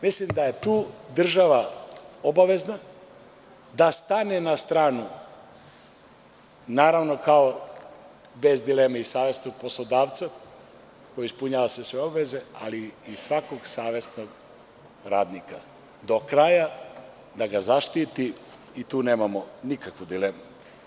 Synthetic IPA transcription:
mislimd̪aje̞t̪uːd̪r̩ʒaʋaobaʋe̞zna | d̪ast̪anenast̪ɾaːnu | naːɾaʋno̞kao | be̞zd̪ileːmaisaːʋe̞snoɡ̚po̞slˠod̪aːʋt̪sa | kojaispuɲaːʋasʋesʋe̞obaʋe̞ze̞a̰liːsʋako̞ɡsaːʋe̞snoɡ | ɾaːd̪nika | d̪o̞kɾaja | d̪aɡazaʃt̪it̪i | it̪uːne̞ːmamonikakʋud̪ileːmu

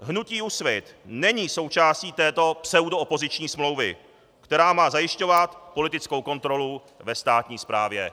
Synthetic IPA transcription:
ɦnuciːusvɪt̪nɛɲiːso̞wt͡ʃaːsciːt̪ɛːt̪o̞psɛudoopo̞zɪt͡ʃɲiːsmlo̞wvɪ̰ | kt̪ɛɾaːmaːzajɪʃco̞vat̪po̞lɪt̪ɪt͡skowko̞nt̪ɾo̞lu | vɛst̪aːt̪ɲiːspɾaːvjɛ

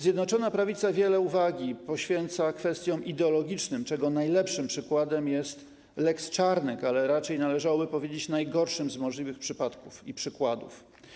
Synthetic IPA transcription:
zʲjɛd̪nɔt͡ʂɔnapɾavʲit̪savʲjɛlɛuvaɡʲipɔɕfʲjɛnt̪sakfɛst̪ʲjɔ̃w̃ʔid̪ɛɔlɔɡʲit͡ʂnɘmt͡ʂɛɡɔnajlɛpʂɘmpʂɘkwad̪ɛmjɛst̪ | lɛkst͡ʂaɾnɛkalɛɾat͡ʂɛjnalɛʐawɔbɘpɔvʲjed͡ʑet͡ɕnajɡɔɾʂɘmzmɔʐlʲivɘxpʂɘpat̪kufḭpʂɘkwad̪ṵf

